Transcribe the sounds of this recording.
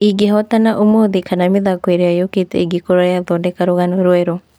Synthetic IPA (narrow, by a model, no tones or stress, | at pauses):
iɡeɦɔtanaʔomoðikanamiðakweɾeajoketḛɡikoɾajaðɔndekaɾoɣanoɾwɛɾo